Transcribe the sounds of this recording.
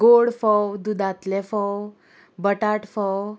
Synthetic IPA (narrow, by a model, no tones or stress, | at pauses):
ɡoɽfɔwd̪ud̪at̪lɛfɔw | bəʈaʈfɔw